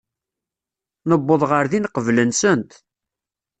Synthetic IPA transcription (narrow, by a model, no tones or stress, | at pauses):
nəbːoðˤʁəɾðinqəvlənsənt̪